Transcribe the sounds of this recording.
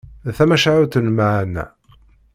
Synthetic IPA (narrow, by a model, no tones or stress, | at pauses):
θæmæʃaʕuθənmaʕnæ̰